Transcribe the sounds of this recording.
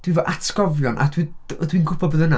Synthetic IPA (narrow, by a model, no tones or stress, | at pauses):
d̥wivɔʔatʰɡɔvjɔnʔa̰dwidwinɡʊpʰɔbəðəna